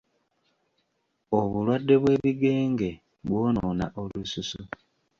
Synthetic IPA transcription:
oβulwadːe̞βwe̞ːβiɡeːŋɡe̞ | βwo̞ːnoːna̰ʔolususu

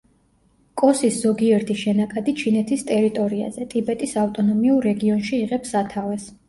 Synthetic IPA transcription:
kʼɔsisz̥ɔɡiɛɾt̪ʰiʃɛnakʼad̪it͡ʃʰinɛt̪ʰist̪ʼɛɾit̪ʼɔɾia̰zɛt̪ʼibɛt̪ʼisaft̪ʼɔnɔmiuɾːɛɡiɔnʃiːʁɛpsat̪ʰavɛs

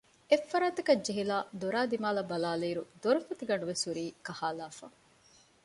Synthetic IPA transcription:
efːɐɾaːt̪ɐkɐd͡ʒeɦilaːd̪oɾaːd̪imaːlɐbɐlaːleːɾud̪oɾɐfɐt̪iɡɐɳɖuʋesuɾiːkɐhaːlaːfa̰

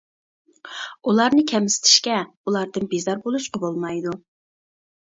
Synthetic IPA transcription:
ulˠɑɾnɨkʲʰɛmɪsɪ̥t̪ʰɪ̥ʃkʲɛ | ulˠɑɾd̪ɨnbezɑɾbolˠuʃqɑbolˠmɑjd̪u

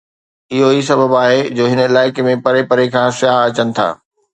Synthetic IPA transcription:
ɪɦoisɐbəbaːɦed͡ʑoːɦɪnɪlaːɪkemẽpɐɾepɐɾekʰãːsɪjaːɦɐt͡ɕənɪ̆t̪ʰa̰ː

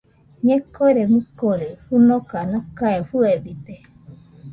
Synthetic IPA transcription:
ɲekːoɾemɨkoɾehunokanakaefuebid̪e

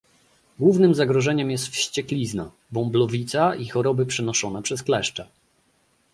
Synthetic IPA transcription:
ɡwuvnɘmzaɡɾɔʐɛɲɛmjɛst̪fɕt͡ɕɛklʲizna̰ | bɔmblɔvʲit̪saixɔɾɔbɘpʂɛnɔʂɔnɛpʂɛsklɛʂt͡ʂɛ

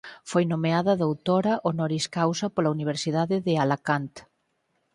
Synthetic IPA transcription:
fojnomeaðɐðowt̪oɾɐʔonɔɾiskawsɐpolauniβ̞eɾsiðaðɪðealakant̪

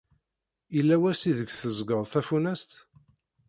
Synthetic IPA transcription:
ilːæwæsiðəɡʷθəzɡəðˤθæfunæst̪

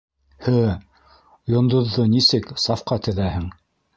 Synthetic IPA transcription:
hɘ | jŏnd̪ŏðːonisɘksɑfqɑt̪ɘ̆ðæhɘŋ

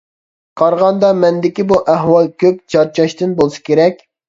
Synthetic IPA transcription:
qʰɑɾʁɑnd̪ɑmɛnd̪ɪkʲibuʔæɦwɑlˠkʲʰøp̚t͡ʃʰɑɾt͡ʃɑʃt̪ɨnbolˠsɨ̥kʲʰeɾɛkʲ

